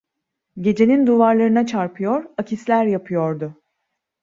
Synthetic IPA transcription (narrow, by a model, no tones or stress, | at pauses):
ɟe̞d͡ʒe̞nind̪uvaɾlˠaɾɯnat͡ʃʰaɾpʰɯjoɾacʰislʲæɾjapʰɯjo̞ɾd̪ʊ